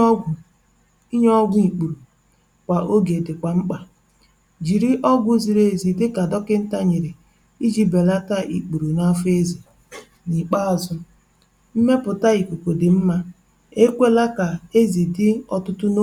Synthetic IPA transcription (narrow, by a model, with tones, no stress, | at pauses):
i˦ɲ˦ɔ˦ɡʷi˨k͡pu˨ɾu˨ | kʷa˨ʔo˦ɡe˨dɪ˨kʷa˨ŋ͡m̩˦k͡pa˨ | d͡ʒi˨ɾi˦ʔɔ˦ɡʷʊ˦zi˨ɾe˦˨zi˨dɪ˦ka˨dɔ˦kɪ˦n̩˦ta˦ɲe˨ɾɪ˨ | i˦d͡ʒi˦be˨la˦ta˦ʔḭ˨k͡pu˨ɾu˨na˦fe˦zi˨ | ni˨k͡pa˦a˨zʊ˦ | m̩˦me˦pʊ˨ta˦i˨kʷu˨ko˨dɪ˨m̩˦ma˦ | e˦kʷe˦la˦ka˨e˦zi˨dɪ˦ɔ˦tʊ˦tʊ˦no˦